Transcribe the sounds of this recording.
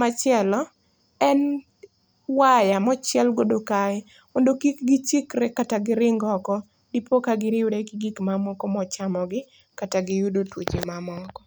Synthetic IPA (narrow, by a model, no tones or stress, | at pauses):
mat͡ʃjɛlɔ | ɛn | wajamɔt͡ʃjɛlɡodokaɪ | mondokikɡɪt͡ʃɪkɾɛkataɡɪɾɪŋɡɔkɔ | dipokaɡɪɾɪwɾeɡɪɡikmamɔkɔmɔt͡ʃamɔɡɪ | kataɡɪjudotwot͡ʃemamɔkɔ